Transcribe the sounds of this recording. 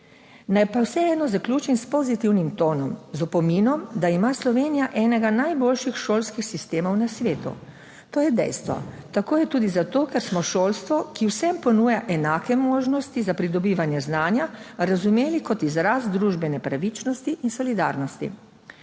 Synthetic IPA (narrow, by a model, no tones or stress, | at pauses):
najpawsɛɛːd̪nɔzaklʲuːt͡ʃimspɔzit̪iwnimt̪oːnɔmzɔpɔminɔmd̪aimaslɔʋeːnijaʔɛːnɛɡanajboːlʃixʃoːlskixsist̪eːmɔwnasʋeːt̪ṵ | t̪oːjɛd̪ɛ̰jst̪ʋɔ̰t̪akoːjɛt̪uːd̪izat̪oːkɛɾsmɔʃoːlst̪ʋɔkiwsɛmpɔnuːjaʔɛnaːkɛmoːʒnɔst̪izapɾid̪ɔbiːʋanjɛznaːnjaɾazumeːlikɔt̪izɾasd̪ɾuːʒbɛnɛpɾaʋit͡ʃnɔst̪iʔinsɔlid̪a̰ːɾnɔst̪ḭ